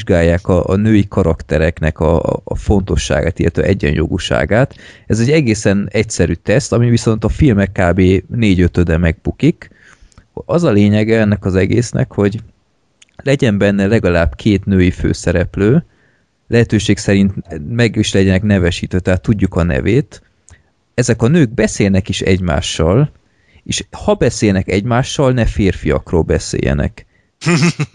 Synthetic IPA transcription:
ʒɡaːjːaːkɒʔnøːjikʰɒɾɒkt̪ɛɾɛknɛkɒ̰fo̞nt̪o̞ʃːa̰ːɡa̰ːt̪ilːɛt̪ʋɛ̰ʔɛɟːɛ̰njo̰ɡṵʃa̰ːɡaːt̪ɛzɛɟːɛɡeːsɛnɛcsɛɾyːt̪ɛst̪ɒmiviso̞n̪t̪ɒfilmɛkːaːbeːneːɟøt̪ød̪ɛmɛɡ̚bukik | hoɒzɒleːɲɛɡɛɛnːɛkɒzɛɡḛːsnʔɛ̰kho̞ɟ | lɛɟɛmbɛnːɛlɛɡɒlaːb̥kʰeːt̪nøːjifø̰ːsɛɾɛpløː | lɛɦɛt̪øːʃeːksɛɾint̪mɛɡiʃlɛɟɛnɛknɛvɛʃiːt̪øːt̪ɛɦat̪ːuɟːukɒnɛ̰veːt̪ | ɛzɛkɒnøːɡ̚bɛseːlnɛkiʃɛ̰ɟma̰ːʃːɒl | eːʃhɒbɛseːjnɛkɛɟmaːʃːɒlnɛfeːrfijɒ̰kro̰ːlbɛsḛːjɛ̰nɛ̰k

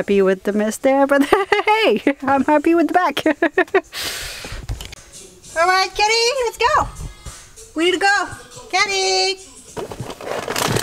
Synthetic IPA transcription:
piwɪðɨmɪsðə˞bʌt̪̚heɪãɪ̃mhæpiwɨðəbæk | ɔlˠɹaɪt̚kʰɛɾilɛtsɡ̥oʊ | winiɾɨɡoʊkʰɛɾi

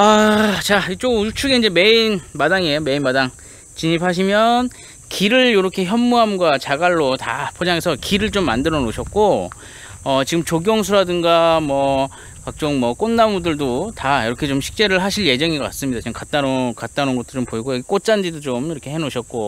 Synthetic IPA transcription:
at͡ɕait͡ɕ͈oɡut͡ɕʰuɡe̞ind͡ʑe̞me̞inmadaŋiejome̞inmadaŋ | t͡ɕiɲipʰaɕ̬ʰimjʌn | kiɾɯɭjoɾʌkʰe̞çjʌmːuɦamɡwat͡ɕaɡaɭːotapʰod͡ʑaŋe̞sʰʌkiɾɯɭt͡ɕomːa̰ndɯɾʌnoɕʰʌk̚k͈o | ʌt͡ɕiɡɯmt͡ɕoɡjʌŋs̬ʰuɾadɯŋɡamwʌ | kak̚t͡ɕ͈ʌŋmʌk͈onːamudɯɭdotajiɾʌkʰe̞t͡ɕomɕʰi̥k̚t͡ɕ͈e̞ɾɯɭɦaɕʰiɭje̞d͡ʑʌŋiɡʌk͈ats͈ɯmɲidat͡ɕiɡɯmkat̚t͈anokat̚t͈anonɡʌtʰot͡ɕompoiɡojʌɡik͈ot͡ɕ͈and͡ʑidot͡ɕomiɾʌkʰe̞ɦenoɕʰʌt̚k͈o

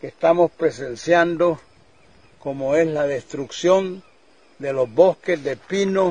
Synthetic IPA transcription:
kest̪amospɾesensjand̪o | komoeslaðest̪ɾuksjo̞n | d̪elozboskezðepino

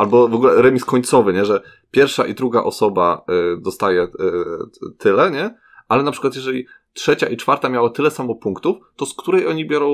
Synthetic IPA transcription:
albɔvɔɡulɛɾɛmʲiskɔɲt̪sɔvɘɲɛʐɛ | pʲjɛɾfʂaʔid̪ɾuɡa̰ʔɔsɔbad̪ɔst̪ajɛ | t̪ʰɘlɛɲɛ | alɛnapʂɘ̥kwat̪jɛʐɛlʲi | tʂɛt͡ɕaʔit͡ʂfaɾt̪amʲjawat̪ɘlɛsamɔpuŋkt̪uft̪ɔskt̪uɾɛjɔɲibʲjɔɾɔ̃

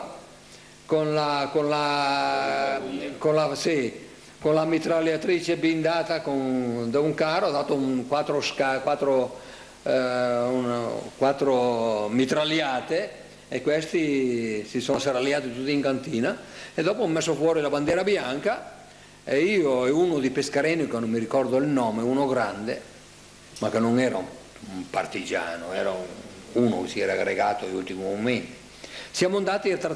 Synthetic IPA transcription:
konlakonla | konlasi | konlamit̪ɾaljat̪ɾiːt͡ʃebind̪aːt̪akond̪euŋkaːɾoad̪aːt̪oŋkwat̪ːɾoskakwat̪ːɾo | unkwat̪ːɾomit̪ɾaljaːt̪e | ekːwest̪isisɔnseɾaljaːt̪it̪ut̪ːiːŋkant̪iːnaed̪ɔːpoamːɛsːofwɔːɾilaband̪jɛɾabjaŋka | eiːoɛunod̪ipeskaɾɛnːikenːomːiɾikɔɾd̪oilnɔːmeunoɡɾand̪e | makːenoŋɛːɾa̰ | part̪id͡ʒa̰ːnoɛ̰ːɾauːno̰kesiɛːɾaɡɾeɡaːt̪oiult̪imumment̪i̥ | sjamond̪aːt̪iat̪ːɾa

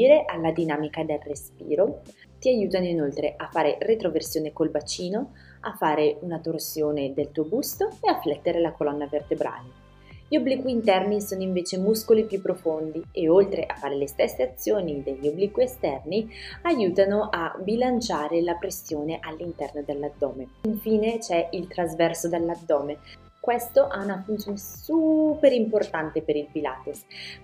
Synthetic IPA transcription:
iːɾeʔalːad̪inaːmikad̪elrespḭːɾo | t̪iajuːt̪anoinolt̪ɾeʔafːaːɾeret̪ɾoversjoːnekolvat͡ʃiːno | afːaːɾeunat̪orsjoːned̪elt̪uːobust̪oeafːlɛt̪ːeɾelakolɔnːavert̪ebɾʔa̰ːle | ʎiobːlikwiːnt̪ɛrnisoːnoiɱveːt͡ʃemuskolipjupːɾofond̪ieolt̪ɾeʔa̰fːaːɾelest̪ɛsːeat̪sːjoːnid̪eʎːobːliːkwiest̪ɛrniajuːt̪anoʔabilant͡ʃaːɾelapɾesːjoːneʔalːint̪ɛrnod̪elːad̪ːɔːmeiɱfiːnet͡ʃɛilt̪ɾazvɛrsod̪elːad̪ːɔːme | kwest̪oʔɛunafunt̪sjoːnesuːpeɾimport̪ant̪epeɾilpila̰ːt̪os

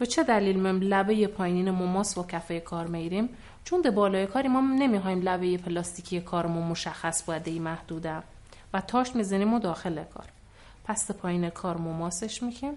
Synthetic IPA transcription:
be̞t͡ʃʰe̞d̪æliːlmemlæbejepʰɒːjniːnemomɒːsbɒcʰæfejekʰɒːɾmeɡiɾim | t͡ʃʰond̪ebɒːlɒːjekʰɒːɾimɒːne̞mixɒːiːmlæbe̞jepʰelɒːst̪ʰiːcʰijekʰɒːɾemomoʃæxːæsboæd̪ejimæhd̪̥uːd̪æm | væt̪ʰɒːʃt̪mizæniːmod̪ɒːxe̞lekʰɒ̰ːɾ | pʰæsd̪epʰɒːjiːnekʰɒːɾmomɒːseʃmiɡim

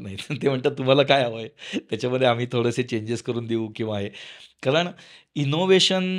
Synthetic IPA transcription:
naɦit̪em̤əɳt̪əːt̪um̤alaːkajaʋəjt̪jat͡ɕaməd̪ʱjeam̤iːt̪ʰoɽəset͡ɕeɲd͡ʑeskəɾuːnd̪iũkĩʋaɦekaɾəɳinoʋeɕən

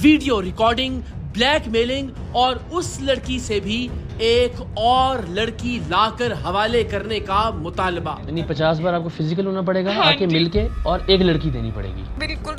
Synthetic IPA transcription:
ʋiːɖijoɾɪkɔːɾɖɪ̃ŋɡ | blɛːkmeːlɪ̃ŋɡ | ɔːɾʊslɐɽkisebʱi | eːk | ɔːɾlɐɽkilaːkəɾɦɐʋaːlekɐɾnekamʊt̪aːlba̰jɐnipɐt͡ʃaːsbaːɾaːp̚kofɪzɪk̬əlɦoːnap̬ɐɽeːɡaaːkemɪlkeɔːɾeːklɐɽkid̪ḛːnipɐ̰ɽ̤ḛːɡḭːɪlkʊ

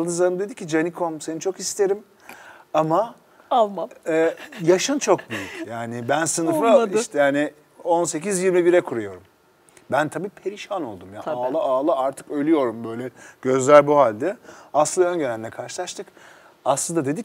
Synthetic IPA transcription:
d̪ɯzaɾɯmd̪e̞d̪icʰːid͡ʒanikʰomsenit͡ʃʰo̞kist̪ʰe̞ɾim | ama | alˠma | jaʃant͡ʃʰo̞k̚byjycʲjaːnɪbænsɯnɯflˠadiʃt̪ɛjaːnɪ | o̞nse̞cizjiɾmibiɾɛkʰuɾujo̞ɾum | bænt̪ʰabiːpʰe̞ɾiʃano̞̰lˠd̪umjaalˠaʔaːlˠaaɾt̪ʰɯ̥kø̞jlʲyjo̞ɾumbø̞jlʲɛɟ̥ø̞zlʲælʲbuhalʲd̪ɛaslˠɯnaø̞nɟenælʲinɛkʰaɾʃɯlˠaʃt̪ʰɯk | aslˠɯnd̪ad̪e̞d̪ic

